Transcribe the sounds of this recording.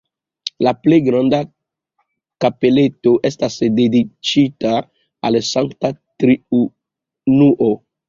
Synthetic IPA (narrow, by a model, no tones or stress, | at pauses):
laplejɡɾanda | kape̞le̞toʔestasdedit͡ʃita | alsaŋktatɾiu | nuʔo